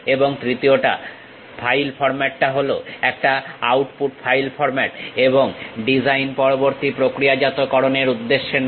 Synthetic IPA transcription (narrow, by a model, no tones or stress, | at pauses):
eboŋt̪ɾit̪ioʈa̰ | fʰajlfɔɾmɛʈːaɦoloɛk̚ʈaawʈpuʈfʰajlfʰɔɾmɛʈeboŋɖid͡ʑajnpɔɾoboɾt̪ipɾokɾijad͡ʑat̪okɔɾoneɾud̪ːeʃːen